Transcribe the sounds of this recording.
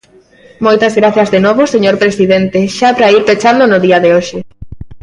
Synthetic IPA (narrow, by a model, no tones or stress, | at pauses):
mojt̪ɐzɣɾaθjɐzðenoβoseɲoɾpɾesiðent̪eʃapɾaiɾpet͡ʃand̪onʊðiɐðeoʃɪ